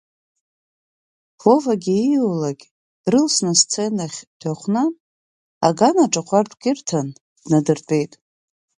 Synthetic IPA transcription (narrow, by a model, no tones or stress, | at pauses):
povaɡʲiilaɡʲ | rɨlsnɨst͡sʰejnaχʲdʰaχʷna | aɡanaʈ͡ʂʼaqʷʰartʰʼɡʲɪrtʰan | d̥nadɨrtʼe̞jtʼ